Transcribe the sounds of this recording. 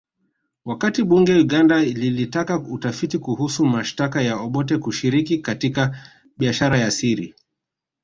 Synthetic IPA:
wakatiɓuŋɡɛjuɠandaililitakautafitikuhusumaʃtakajaɔɓɔtɛkuʃiɾikikatika | ɓiaʃaɾajasiɾḭ

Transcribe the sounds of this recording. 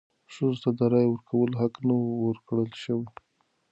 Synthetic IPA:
ʂuzot̪ad̪aɾɑjwəɾkʰawəloɦaknawəɾkɽəlʃəwi

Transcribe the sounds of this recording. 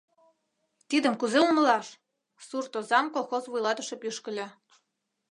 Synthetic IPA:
t̪id̪ə̆mkuzeunə̆lɑʃ | surt̪ozɑmkolˠxozβujlˠɑt̪ə̆ʃe̽pyʃkə̆lʲĕ

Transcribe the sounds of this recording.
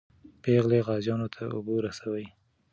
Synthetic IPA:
peɣleɣɑzjɑnot̪ʰaʊ̰boɾasawəj

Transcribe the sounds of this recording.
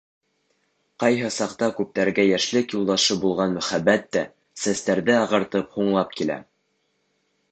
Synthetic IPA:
qɑjɦɤsɑqt̪ɑkʉp̚t̪æɾɡæjæʃlɘkjulˠd̪ɑʃɤbulˠʁɑnmɵ̆χæbːæt̪ːæ | sæst̪æɾðɘɑʁɤ̆ɾt̪ɤphuɴlˠɑp̚kilæ̰

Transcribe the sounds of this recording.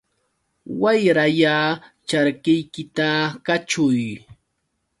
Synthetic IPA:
wajɾajaːt͡ʃaɾɢɪjkɪt̪akat͡ʃʊj

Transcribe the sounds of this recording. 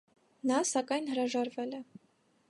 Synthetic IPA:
nɑsɑkɑjnɦəɾɑʒɑɾvɛlɛ

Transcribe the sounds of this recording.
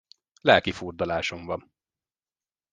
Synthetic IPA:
lɛlkifurd̪ɒlaːʃoɱvɒn

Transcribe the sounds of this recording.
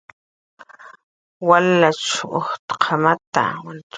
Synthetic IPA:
walaʈ͡ʂoχt̪qʰamat̪a̰wan

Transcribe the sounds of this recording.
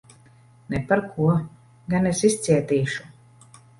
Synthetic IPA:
nɛpaɾkʰuɔ | ɡanesist̪sʲiɛt̪iːʃu̥

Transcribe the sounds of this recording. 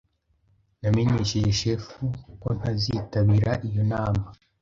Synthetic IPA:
namiɲiʃijeʃefuko̞n̥hazitaβiɾaʔijo̞naːma

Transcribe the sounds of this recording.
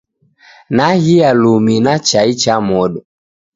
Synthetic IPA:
nahialuminat͡ʃait͡ʃamɔɗɔ

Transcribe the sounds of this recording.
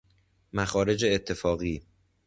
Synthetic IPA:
mæxɒːɾe̞d͡ʒe̞ːt̪ʰːe̞fɒːɣiː

